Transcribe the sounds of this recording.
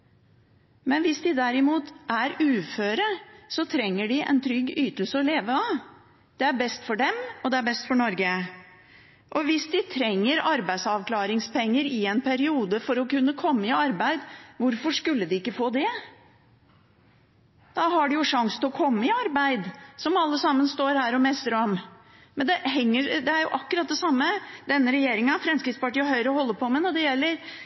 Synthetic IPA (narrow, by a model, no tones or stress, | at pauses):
mɛnʋɪsd̪ɪd̪æɾɪmuːt̪ʔæɾʉːføːɾəsɔt̪ʰɾɛŋːəɖɪʔɛ̰nt̪ʰɾʏɡːyːt̪əl̩səɔleːʋəɑʋ | d̪̥ɛæɾbɛst̪fɔɖɛmɔd̪ɛæɾbɛst̪fɔɳɔɾɡə | ʔɔʋɪsd̪ɪt̪ʰɾɛŋːəɾɑɾbæɪsɑʋklɑːɾɪŋspʰɛŋːəɾɪɛnpʰæɾɪuːd̪əfɔɾɔkʉnːəkʰɔmːəɪɑɾbæɪd̪ʋʊɾfɔʂkʉlːəd̪ɪɪkːəfoːd̪ɛ | d̪̥ɑɦɑɖʉjʊʂɑŋsənɪlɔkʰɔmːəɪɑɾbæɪd̪sɔmɑlːəsɑmːənst̪oːɾhæːɾɔmɛst̪əɾɔm | mɛnd̪ɛɦɛŋːəd̪ɛæɾjʊʔɑkːʉɾɑt̪̚d̪ɛsɑmːəd̪ɛnːəɾɛjeːɾɪŋɑfɾɛmskɾɪt̪spɑʈiːəɦœʏɾəɔhɔlːəpʰɔmɛnɔɖɛjɛlːəɾ